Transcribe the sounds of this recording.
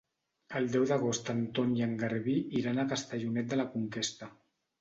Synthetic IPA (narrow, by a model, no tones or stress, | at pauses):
əlˠd̪ɛwðəɣ̞ost̪ənt̪oniəŋɡəɾβiiɾanakəst̪əʎunɛt̪̚d̪ələkuŋkest̪ə